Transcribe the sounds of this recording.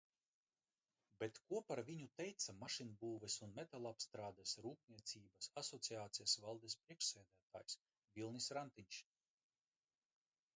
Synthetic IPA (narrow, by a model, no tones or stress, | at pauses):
bet̪kuɔpaɾvʲiɲut̪ɛjt̪samaʃinbuːvɛsunmɛt̪alˠapst̪ɾaːd̪ɛsɾuːp̚nʲiɛt̪siːbasasɔt̪siaːt̪sijasvalˠd̪espɾiɛkʃseːd̪æːt̪a̰ːjs | vʲilˠnisɾant̪iɲʲt͡ʃ